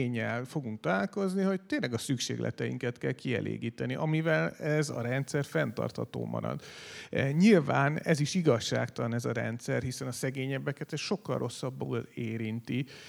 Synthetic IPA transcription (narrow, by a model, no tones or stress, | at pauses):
ɲːɛlfo̞ɡuŋk̚t̪ɒlaːlko̞zniɦo̞c̚t̪eːnlɛɡɒsykʃḛːɡlʔɛ̰t̪ɛjḭŋkɛt̪kɛlkiɛ̰lʔḛːɡiːt̪ɛniʔɒmivɛlɛzɒ̰ɾɛnt̪sɛrfɛnt̪ɒ̰rt̪hɒt̪o̰ːmʔɒ̰ɾɒ̰d̪ | ɲilvaːnɛziʃiɡɒʃːa̰ːkt̪ɒlɒnɛzɒɾɛ̰nt̪sɛrhisɛnɒsɛɡeːɲɛbːɛkɛt̪ɛsʃo̞kːɒ̰lrʔo̞sːɒbːoːleːɾint̪i